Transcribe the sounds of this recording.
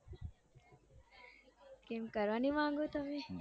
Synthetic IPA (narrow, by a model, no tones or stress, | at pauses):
kemkɐɾʋɐnimaːŋɡut̪ɐme